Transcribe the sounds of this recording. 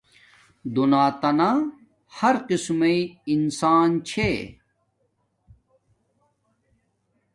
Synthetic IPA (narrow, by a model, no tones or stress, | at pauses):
d̪unaːt̪ɐna | hɐɾqismeiinsaːnt͡ɕʰe